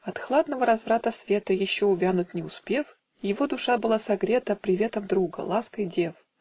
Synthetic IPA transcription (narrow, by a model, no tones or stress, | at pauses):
ɐt̪xlˠad̪nəvəɾɐzvɾat̪əsvʲe̞t̪əjɪɕːoʊvʲanʊt̚ʲnʲɪʊspʲe̞f | jɪvo̞d̪ʊʂabɨlˠasɐɡɾʲe̞t̪əpɾʲɪvʲe̞t̪əmd̪ɾuɡə̰lˠaskəjdʲef